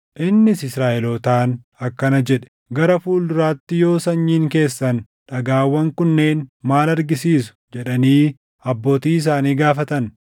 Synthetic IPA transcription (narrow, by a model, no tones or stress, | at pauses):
ʔɪnːɪsɪsɾaːʔɛlot̪aːn | ɐkːɐnɐd͡ʒɛᶑɛ̥ | ɡɐɾɐfuːld̪ʊɾaːt̪ːɪjo̞ːsɐɲːiːŋke̞ːsːɐn | ᶑɐɡaːwːɐŋkʊnːe̞ːnmaːlɐɾɡɪsiːsʊ̥d͡ʒɛᶑɐniː | ɐbːo̞ːt̪iːɪs̬aːniːɡaːfɐt̪ɐn